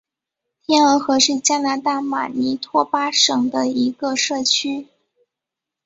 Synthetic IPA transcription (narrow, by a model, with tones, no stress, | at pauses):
t̪ʰjɛ˥nə˧˥xɤ˧˥ʂɻ̩˥˩t͡ɕja˥na˧˥t̪a˥˩ma̰˨˩ni˧˥t̪ʰwɔ˥pa˥ʂɤ˨˩ŋd̪ə˧˦i˧˥ɡə˧ʂɤ˥˩t͡ɕʰy˥